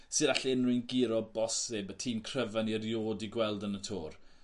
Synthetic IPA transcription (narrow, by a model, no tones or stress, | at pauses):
sɨðaɬiənrɪnɡɪɾɔbɔsɪbətʰiːmkʰrəvanirjoːdiɡwɛlˠdənətʰoːr